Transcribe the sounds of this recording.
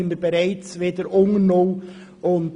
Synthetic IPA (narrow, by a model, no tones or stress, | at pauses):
ənd̪əbeɾɛɪt͡sʋedəɾoŋəno | ʊnt